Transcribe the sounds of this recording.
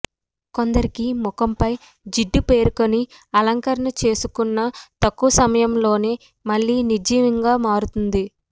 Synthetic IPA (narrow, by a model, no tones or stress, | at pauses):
ko̞nd̪ɐɾikimukɐmpɐj | d͡ʒiɖːupe̞ːɾuko̞ni | ɐlɐŋkɐɾɐɳɐt͡ʃe̞ːsukunːɐt̪ɐkːuʋɐsɐmɐjɐmlo̞ːneː | mɐɭːiːnid͡ʒimɐŋɡaːmaːɾut̪und̪i